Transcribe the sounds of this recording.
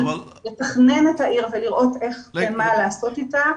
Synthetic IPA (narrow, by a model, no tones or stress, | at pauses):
letaχne̞nethaʔiʁveliʁʔo̞te̞χbemalaːso̞tita